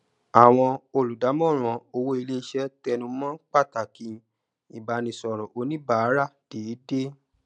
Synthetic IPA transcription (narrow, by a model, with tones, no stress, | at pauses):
a˨w̃ɔ̃˧o˧˨lu˨da˨˦mɔ̃˦˨ɾ̃ɔ̃˨o˧wo˦i˧le˦˧˦ʃɛ˦tɛ˧nũ˧mɔ̃˦k͡pa˦˨ta˨kĩ˧ | i˨ba˧nĩ˧sɔ˨ɾɔ˨ʔo˧˦nĩ˦ba˦˨˦ɾa˦˨d̥e˨˦de˦